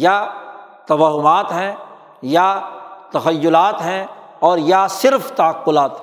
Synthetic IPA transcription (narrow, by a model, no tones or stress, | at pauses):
jat̪ɐʋaːɦʊmaːt̪ɦɛ̃ | jat̪ɐxəjːʊlaːt̪ɦɛ̃ | ɔːɾjasɪɾft̪ɐəqːʊlaːt̪ɦ